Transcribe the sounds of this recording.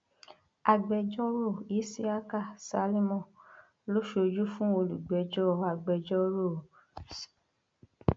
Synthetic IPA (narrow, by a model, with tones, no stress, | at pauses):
a˧ɡ͡bɛ˧d͡ʒɔ˦ɾo˦˨i˨˦si˦a˦ka˦˨sa˧˦li˦mɔ̃˦˨ | lo˦ʃo˧d͡ʒu˦fũ˦o˧lu˨ɡ͡bɛ˨d͡ʒɔ˦˨a˧ɡ͡bɛ˧d͡ʒɔ˦ɾo˦˨